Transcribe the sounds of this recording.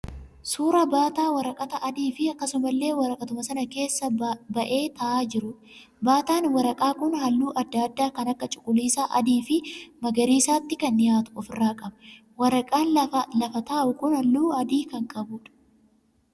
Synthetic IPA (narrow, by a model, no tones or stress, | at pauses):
suːɾɐbaːt̪aːwɐɾɐkʼɐt̪ɐʔɐd̪iːfɪɐkːɐsʊmɐlːe̞ːwɐɾɐkʼɐt̪ʊmɐsɐnɐke̞ːsːɐbɐʔe̞ːt̪ɐʔaːd͡ʒɪɾʊ | baːt̪aːnwɐɾɐkʼaːkʊnhɐlːuːʔɐd̪ːad̪ːaːkɐnɐkːɐt͡ʃʼʊ̥kʼːʊliːsaːʔɐ̰d̪iːfɪmɐɡɐɾiːsaːt̪ːɪkɐnːɪjaːt̪ʊ̥ɔfɪrːaːkʼɐbɐ | wɐɾɐkʼaːnlɐfɐt̪aːʔʊkʊnhɐlːuːɐd̪iːkɐŋkʼɐbuːᶑɐ̥